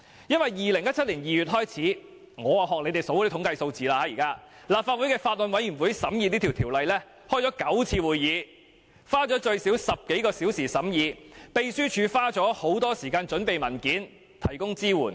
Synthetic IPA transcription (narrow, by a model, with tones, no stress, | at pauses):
jɐ˥nwɐ˨˩jjiː˨lɪ˨˩ŋjɐ˥t̚t͡sʰɐ˥t̚li˨˩njiː˨ɥyː˨˩t̚ɦɔː˥jt͡sʰiː˨˥ | ŋɔː˨˧waː˨ɦɔː˨k̚le˨˧jt̪e˨jso˨˥wt̪ʰʊ˧˥ŋkɐ˧jso˧wt͡siː˨˧laː˧haː˨˧˥jiː˨˩kaː˥ | laː˨p̚fa˧t̚wu˨˥jkɛː˧faː˧t̚lɵ˨nwɐ˨˥jɥyː˨˩nwu˨˥jsɐ˨˥mjiː˨˧ni˥t̪ʰi˨wtʰi˨˩wlɐ˨jlɛː˥ | hɔː˥jt͡sɔ˨˧˥kɐ˨˥wt͡sʰiː˧wuː˨jːiː˨˧ | faː˥t͡sɔː˨˥t͡ʃɵ˧ɥsi˨˥wsɐ˨p̚ke˨˥jkɔː˧siː˨˥wsiː˨˩sɐ˨˥mjiː˨˧pe˧jsyː˥t͡ʃʰyː˨˧faː˥t͡ʃɔː˨˥ho˨˥wt̪ɔː˥siː˨˩kaː˧nt͡ʃɵ˨˥npe˨jmɐ˨˩nkiː˨˥n | t̪ʰɐ˨˩jkʊ˥ŋt͡siː˥wuː˨˩n